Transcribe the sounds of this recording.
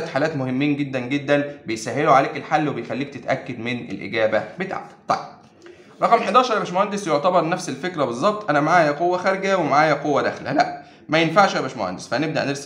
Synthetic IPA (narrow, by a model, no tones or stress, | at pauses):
t̪ħaːlæːt̪mohemːiːnɡed̪ːænɡed̪ːænbejsæɦːeloʕaleːkelħalːwebejxælːiːk̚t̪et̪ʔækːæd̪mɪnḛlʔḛɡæːbæbet̪a̰ʕt̪ˤɑ̰jb̥̚ | ɾˤɑqɑmħed̪ɑːʃɑɾˤʔbæʃmohænd̪esjoʕt̪æbɑɾˤnæfselfekɾæbezˤːɑb̚t̪ˤʔænæmaʕaːjæqowːæxæɾɡæwemaʕaːjæqowːæd̪æ̰xlæ̰læʔ | mæjenfaʕʃʔæbæʃmo̰hæ̰nd̪esfæneb̚d̪æʔneɾs